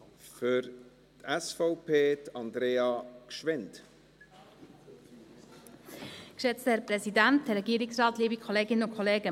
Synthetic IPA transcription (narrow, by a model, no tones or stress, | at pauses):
fʏɾ | tɛsfɔʊpʰeːtɑnd̪ɾeːɑkʃʋɪnt | kʃɛt͡stəhɛɾpɾɛsidæntɾːɛɡiːɾɪksrɑːtliːbikʰχoleːɡɪnəʊnkʰoleːɡə